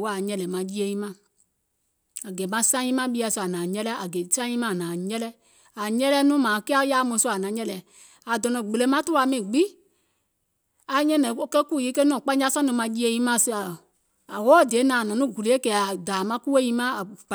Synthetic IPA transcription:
wɔ˦a˨ɲɛ̃˧lɛ˨mã˧ji˦e˧jĩ˦mã˦˨ | a˨ɡɛ˨˦mã˧˦sã˦ĩ˦mã˦ɓi˧˦a˧˨sɔ˧˨a˨nãː˨ɲɛ˦lɛ˦a˨ɡɛ˨˦sã˦ĩ˦mã˦˨nãː˨ɲɛ˦lɛ˦ | a˨ɲɛ˦lɛ˦nũ˦mã˨kɛ˦a˦jaː˦mõ˧˦su˧˦˨a˨nã˨˦ɲɛ̃˧lɛ˨ | a˨dɔ̃˨nɔ̃˨ɡ͡be˨le˨˦mã˦tu˦a˧˨mĩ˨ɡ͡bi˦ | a˨ɲɛ̃˦nɛ̃˨˦kɛ˦ku˦˨ji˨˦ke˦nɔ̃ː˨k͡pã˦d͡ʒa˧˦sɔ̃˦nũ˧˦mã˧ji˦e˧jĩ˦mã˦˨sa˨ | a˨wɔː˦˨de˨˦nãː˨ɔ̃˨nũ˨˦˨ɡu˨le˨˦e˦kɛ˨˦a˨daː˨mã˧˦ku˦e˦jĩ˧˦mã˦a˨

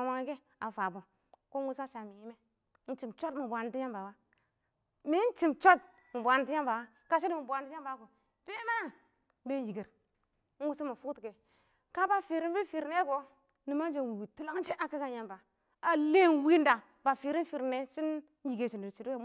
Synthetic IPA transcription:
a˨ma˨˦ŋi˦ɡe˦ | a˨fa˨bo˨ | ko˦n˦wu˦sa˦ʃa˨mi˨ji˦me˦ | n̩˦t͡ʃi˨mt͡ʃo˦tmi˨bʷa˨n˨˦ti˦ja˦mba˨wa˦ | mi˦n˦t͡ʃi˨mt͡ʃo˦t | mi˨bʷa˨n˦ti˦ja˦mba˨wa˦ | ka˦ʃi˦di˦mu˨bʷa˨n˦ti˦ja˦mba˨˦ko˨ | be˦ma˦a˦˨˦ | be˦n˦ji˨ɡe˨ɾ | n̩˦wu˦si˦ma˨fu˦kte˨ | ka˦ba˨fi˨ɾi˦mbi˦fi˨ɾne˦ko˨ | ni˨ma˦n˦d͡ʒe˦nwi˨wi˨tu˦lo˦ŋ˦t͡ʃi˦ʔa˨ki˦ɡa˦ja˨mba˨ | a˨le˦nwi˦nda˨ | ba˨fi˨ɾi˦n˦fi˨ɾne˦si˦n˦ | i˨ɡe˨t͡ʃi˨ndi˨ɾt͡ʃi˨du˦e˦

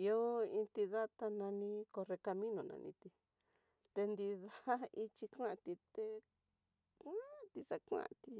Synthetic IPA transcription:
i˧o˦ĩ˧nt̪i˧ða˦t̪a˧nã˧nĩ˧ko˧re˧ka˧mĩ˦nõ˨nã̰˧nʔḭ̃˧t̪i˧ | t̪e˧nd̪i˧ða˦i˧t͡ʃi˧kʷã˦ʔt̪i˧t̪e˧ | kʷã˦˧t̪i˧sa˧kʷã̰˦˧t̪i˧

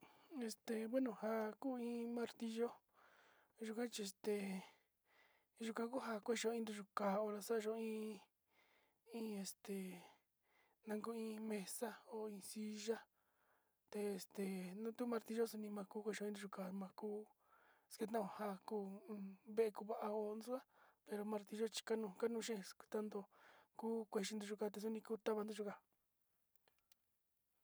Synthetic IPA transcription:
e˧st̪e˨βwe˦nũ˨ha˧kuː˦ĩː˧˦mã˧ɾt̪i˧ʒo˦ | ʒu˧kã˦t͡ʃi˧e˧st̪e˨ | ʒu˧kã˧ku˦ɦa˧kʷe˦˧ʒo˧ĩ˧nd̪u˧ʒu˧ka˨o˧ɾa˧sa˦˧ʒo˧ĩː˦ | ĩ˦e˧st̪e˨ | nã˧ŋɡu˧˦ĩ˧mẽ˧sa˦o˧ĩː˧si˧˦ʒa˦ | t̪e˧e˨st̪e˨nũ˦t̪u˦mã˧ɾt̪i˧ʒo˦su˧nĩ˧mã˧kuː˦kʷe˧ʃo˧ĩ˧nd̪u˧u˧ka˧˨mã˧kuː˦ | ske˧t̪ã˦õ˧˨ha˧kũː˧βe˦ʔe˧ku˧βa˧ʔa˧o˧nu˦u˦a˦pe˧ɾo˧mã˧ɾt̪i˧ʒo˦t͡ʃi̥˧ka˦nũ˧ka˦nũ˧ʃẽ˦ske̥˧t̪ã˦nd̪o˧kuː˦kʷe˧˨ʃi˧nd̪u˧ʒu˧ka˧t̪̬e˧s̬u˦nĩ˧ku˦t̪a˦βa˧nd̪u˦˧ʒu˧ka˧

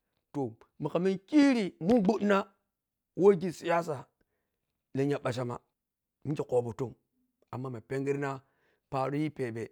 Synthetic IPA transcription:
to˨ | mi˨ka˨mi˦nkʲi˦ɾi˨mu˦ɡ͡bu˦tna˦ | wo˦ɡʲi˦si˨ja˦sa˨ | le˨ɲa˨ɓa˨ʃ̬a˦ma̰˨ | mi˦ki˨ko˨bu˨to˦˨ŋ | a˨mːa˦ma˨pe˦ŋɡi˦ɾna˦ | pa˨ɾu˦ji˦pe˨be˨

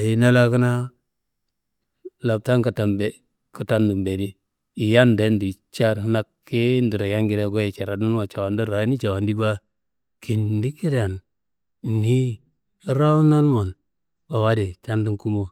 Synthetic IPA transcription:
a˨ji˨na˦la˦kə˦na˦ | la˨b̚ta˦ŋka˨ta˨mbe˨ | ku˨ta˦ndu˨mbe˨ɾi˦ | i˨ja˦nde˦ndi˨t͡ʃa˦ɾna˦kː | i˦ndi˨ɾa˨ja˦ŋɡi˦ɾa˦ɡo˦ji˨t͡ʃa˨ɾa˨du˦n˦a˨t͡ʃa˨wa˨ndu˦ɾa˨˦ni˦t͡ʃa˨wa˨ndi˦ba˦ | ki˨ndi˦ki˦ɾa˨n˨ | ni˦ | ɾa˦u˦na˦lmo˨n | ba˨wa˦di˨ta˦ndi˦ŋku˦mo˨

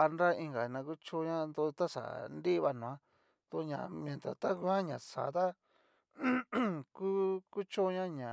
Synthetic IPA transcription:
a˧nɾa˦i˧ŋɡa˨nã˧ku˦t͡ʃo˦ɲã˦nd̪o˧t̪a˦ʂa̰˨nd̪i˦˧βa˧nũ˨ã˦ | t̪u˧ɲã̰˨m˧˨ẽ˨nt̪a̰˨t̪a˦ku˧˦ã˦ɲã˨sa̰˨˦t̪a˦ | ku˦ku˦t͡ʃo˦ɲã˦ɲã˨

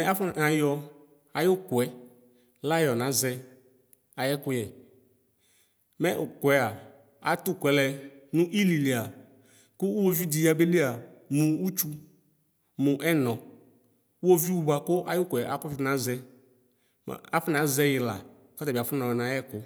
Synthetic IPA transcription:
ɛ˦a˦fa˨˦jɔ˦ | a˨jʊ˦kʊ˨ɛ˨˦ | la˦jɔ˨nã˨˦zɛ˦ | a˨jɛ˦kʊ˦jɛ˨ | mɛ˦ʔkʊ˨ɛ˦a˨ | a˨tʊ˦kɛ˨lɛ˨nʊ̃˦ʔi˦li˨li˨a˨ | kʊ˦wo˦vi˦di˨ja˨be˦li˦a˨mʊ̃˨u˦t͡ʃu˦ | mʊ˨ʔɛ˦nɔ̃˨˦ | o˦vi˦wu˦ba˨kʊ˦ʔa˦jʊ˦kʊ˨ɛ˨ʔa˨kʊ˦fnã˨˦zɛ˦ | m̰˨a˦fʊ˦n˨ã˨˦zɛ˦jɪ˨la̰˨ | kɔ˦tɛ˨bi˨a˨fʊ˦nɔ̃˨ɔ˨nã˨˦jɛ˦kʊ˦

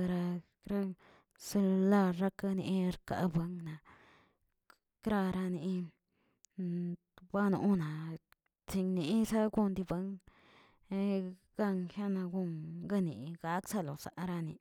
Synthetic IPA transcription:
ɾa˧ | kɾa˦ | sla˧ɾa˦ka˧nḭ˧˦ɾka̰˧be˧˦ŋna˨ | kɾa˧ɾa˧ni˧˦ | ba˦nṵ˧˨˦na˨ | t͡si˧ŋni˨˦sa˦ɡu˧nd̪i˧be˧˦ŋ˧ | ɡ̥a˦˧ŋxja˦na˧ɡu˧ŋɡa˦˧nḭ˨ɡa˦ksa˦˧lo˨sa˨˧ɾa˧nḭ˧

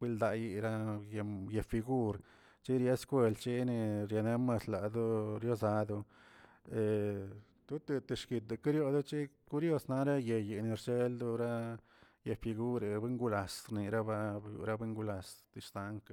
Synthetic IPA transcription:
wi˧ld̪a˧ji˧ɾa˦je˧je˧˨fi˧ɡu˦ɾ | t͡ʃi˦ɾja˦skʷe˧˨lt͡ʃi˦ni˧ɾja˧ne˦ma˧sla˨d̪u˦ɾjo˦sa˧d̪u˧ | e˨ | t̪u˦t̪e˧t̪e˧ʃki˨˧t̪̚d̪u˧ki˦ɾjo˧d̪u˦t͡ʃi˦ku˦ɾjo˧sna˧ɾa˦je˧ji˨ni˧ɾt͡ʃe˦ld̪u˦ɾa˦ | je˧fi˧ɡu˦ɾe˨be˦ŋɡu˧la˨sɾni˨ɾa˦ba˦jṵ˧ɾa˦be˦ŋɡu˧la˨st̪i˧ʂt̪a˧˦ŋk

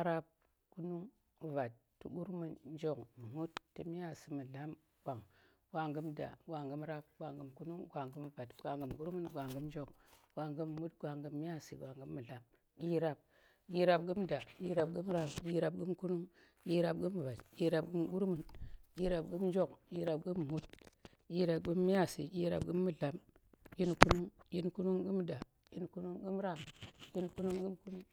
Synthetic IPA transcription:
a˦ɾa˦b̚ | ku˦nu˦ŋ˨ | va˨tː | u˨ɓu˦ɾmu˨n˦d͡ʒo˦km˨mu˦tːi˨mi˦a˦˨si˨mu˨la˦m | ɡ̥ʷa˨ŋ | ɡʷa˨ŋɡə˦mda̰˨ɡʷa˨ŋɡə˦mɾa˦b̚ɡʷa˨ŋɡə˨mku˦nu˦ŋɡʷa˨ŋɡə˦m˨va˨tɡ̥ʷa˨ŋɡə˨mɡu˦ɾmu˦nɡʷa˨ŋɡə˦mnd͡ʒo˦kɡ̥ʷa˨ŋɡə˦m˨mu˦tɡʷa˨ŋɡə˨mːi˦a˦sḭ˨ɡʷa˨ŋɡə˦mːu˨la˦m | ɡi˦ɾa˨b̚ | ki˦ɾa˨b̚ɡu˦mda˨i˦ɾa˨bɡu˦m˦ɾa˦˨mki˦ɾa˨b̚ɡu˦mku˦nu˦ŋ | ji˦ɾa˨b̚ɡu˦mː˨ba˨di˦ɾa˨bɡɨ˦mɡu˦ɾmu˨nki˦ɾa˨bɡu˦m˦nd͡ʒo˦kji˦ɾa˨bɡu˦m˨mu˦t | ki˦ɾa˨bɡu˦mːi˦ja˦˨sḭ˨ʔʲi˦ɾa̰˨bɡɨ˦mːu˨ɮa˨mji˦nku˦nu˦ŋji˦nku˦nu˦ŋɡɨ˦mda˨ | ji˦nku˦nu˦ŋɡu˦m˦ɾa˦mji˦nku˦nu˦ŋɡi˦mku˦nu˦ŋ

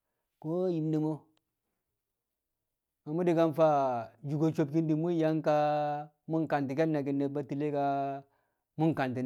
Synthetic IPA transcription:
ko˦ji˨mde˨mo˦ | ma˨mu˦di˨ka˦nfa˦d͡ʒu˨ɡo˨t͡ʃo˨p̚ki˦ndi˨mu˦ja˦ŋka˦ | mu˦ŋka˨nti˨k̬e˦lna˨k̬i˨nːe˨ba˦ti˨le˦ka˦ | mu˦ŋka˨nti˨

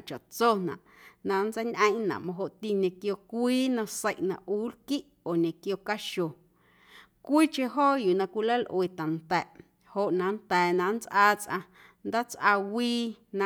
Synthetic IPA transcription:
t͡ʃa˨ʔt͡so˦nã̰˨ʔnã˧nt͡sə˦ɲʔə̃˦j̃ʔnã̰˨ʔmõ˧ɦo˧ʔt̪i˧ɲẽ˨kjo˧kʷiː˦nã˧se˦˨jʔnã̰˨ʔʔuː˦lki˦ʔ | o˨ɲẽ˨kjo˧ka˦ʃo˨ | kʷiː˦t͡ʃẽ˧ɦoː˦juː˨nã˧kʷi˧lə˦lʔweː˨t̪a˨nt̪ɛ˨ʔ | ho˧ʔnã˧˨nt̪ɛː˨nã˧nt͡sʔaː˦˧t͡sʔã̰˧ | nd̪a˦t͡sʔa˧wiː˦nã˧

